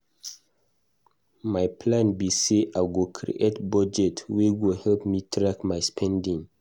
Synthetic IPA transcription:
majpʰlãnbiseʔaɡokʰɾḭʔetbɔd͡ʒɛtwiwihɛlpmitʰɹakmajspʰɛ̃ndĩŋ

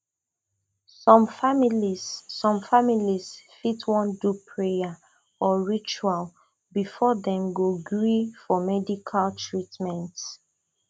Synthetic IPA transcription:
sɔ̃mfamilisːɔ̃mfamilisfitwɔ̃ndupʰɹeja | ɔɹit͡ʃual | bifɔdɛ̃mɡoɡɹifɔmɛdikʰaltʰɹitmɛ̃nt

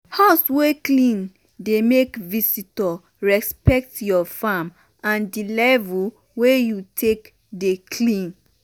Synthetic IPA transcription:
haʊsweklĩn | demekvisitɔ | ɹɛspɛk̚tjɔfam | ãndilɛvul | wejutʰek | dekʰlĩn

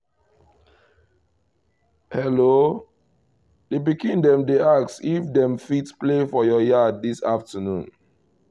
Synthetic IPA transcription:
hɛlo | debiɡĩndɛ̃mdeaksifdɛ̃mfitsplefɔjɔjadisaftənṵ̃n

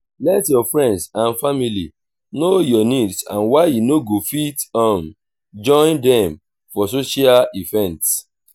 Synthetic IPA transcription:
lɛtjɔfɹɛ̃ndsãnfamili | nojɔnidsã̰nwaɪjunoɡofitɔ̃n | d͡ʒɔ̃ɪ̃ndɛ̃m | fɔsoʃialivɛ̃nts

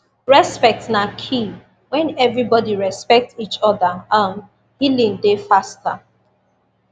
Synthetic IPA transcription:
ɹɛspɛk̚tnakʰi | wɛ̃nɛvɹibɔdiɹɛspɛk̚tit͡ʃɔdaãm | hilĩŋdefasta

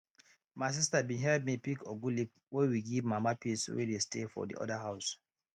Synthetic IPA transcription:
maɪs̬istabĩɦɛlmipikʰoɡulip | wɛwiɡivmamapiswḛdestefɔ̰dḭʔɔ̰daɦaʊs

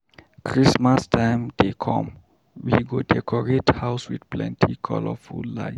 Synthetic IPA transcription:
kʰɹismastʰãɪmd̥ekʰɔ̰̃m | wiɡodɛkʰɔɹethaʊswidplɛ̰̃ntʰikʰɔ̰lɔfulːa̰ɪ

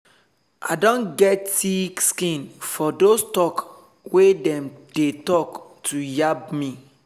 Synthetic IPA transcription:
a̰dõnɡɛtikskĩnfɔdostɔk | wedɛ̃md̥etɔktʰujab̚mi

